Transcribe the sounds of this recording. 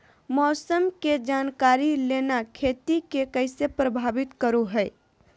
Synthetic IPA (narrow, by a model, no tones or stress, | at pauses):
mɔːsəmked͡ʒaːnkaːɾileːnakʰeːt̪ikekəɪsepɾəbʱaːʋɪt̪kəɾoɦɛɪ